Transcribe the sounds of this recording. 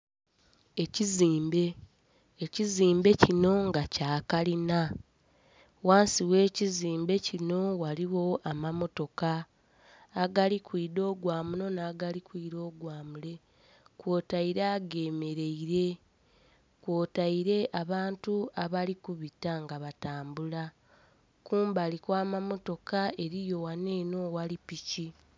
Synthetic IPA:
e̞ciziːmbe̞ː | ciziːmbe̞cino̞ŋɡacaːkalina | waːnsiwe̞ːciziːmbe̞cino̞waliwo̞amamo̞to̞kaː | ɡalikwiːdo̞ːɡwaːmuno̞naːɡalikwiːɾo̞ːɡwaːmule̞ | kwoːtaiɾaɡe̞ːme̞ɾe̞iɾe̞ | kwoːtaiɾe̞ʔaβaːntuaβalikuβitaŋɡaβataːmbula | kuːmbalikwaːmamo̞to̞kae̞ɾijo̞wane̞ːno̞walipici

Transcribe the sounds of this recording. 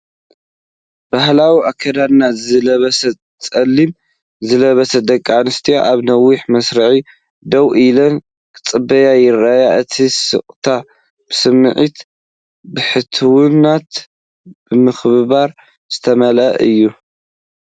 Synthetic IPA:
b̥ahlawiʔakʰːɐd̪ad̪nazɨlɐβɐsɐ | t͡sʼɐlːim | zɨlɐβɐsɐd̪ɐkʼːanɨst̪ʰija̰ʔaβnɐwːiħmɐsɾɐʕi | d̪ɐwʔilɐn | kʰʼɨt͡sʼɨbɐjajɪrːajaʔɨt̪ʰisɨ̰χʼt̪ʰa | b̥ɨsɨmːɨ̰ʕit̪ | bɨħɨt̪ʰɨwɨnat̪ | b̥ɨmɨxβɨβaɾ | z̥ɨt̪ʰɐmɐlɐ̰ʔɨjːu

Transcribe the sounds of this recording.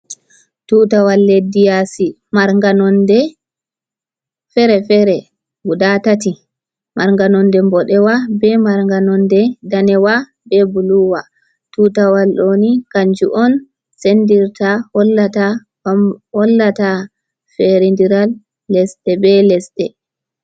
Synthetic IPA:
tutawalːedijasi | maɾŋɡanɔndɛ | fɛɾɛfɛɾɛ | ɡudatati | maɾŋɡanɔndɛmbɔɗɛwabɛmaɾŋɡanɔndɛdanɛwa | bɛbuluwa | tutawalːonikaɲd͡ʒuʔɔn | sendiɾtahɔlːata | ɔlːata | fɛɾindiɾalː | ɛsɗɛbɛlɛsɗɛ

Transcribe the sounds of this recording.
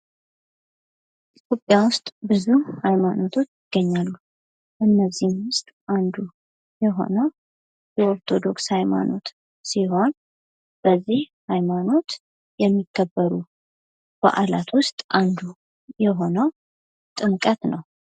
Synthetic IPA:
ʔit̪ʰjo̞pʼːjawʊst̪ʼbɨzuhajmano̞t̪ʰo̞t͡ʃːjɪɡ̥ːəɲːalːu | ʔɨnːəzːihnwʊst̪ʼʔand̪u | jɛɦo̞̰nəw | jɛoɾt̪ʰo̞d̪o̞kshajma̰no̞̰t̪ | siɦo̞n | b̥əzːihhajmano̞t̪ | jɛmːikʰːəbːəɾu | b̥a̰ʔalat̪wʊst̪ʼʔand̪u | jɛɦo̞nəw | t̪ʼɨŋkʼət̪nəw

